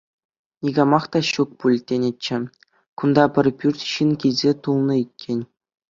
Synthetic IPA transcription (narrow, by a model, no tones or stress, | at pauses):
nʲiɡɑmɑχt̪ɑɕuk̚pulʲt̪ʲːenʲet͡ɕːɘ̆ | kund̪ɑpʲɘ̆rʲpʲyrʲtʲɕinkʲilʲzʲet̪ulˠnɤ̆it̚ʲkʲʰenʲ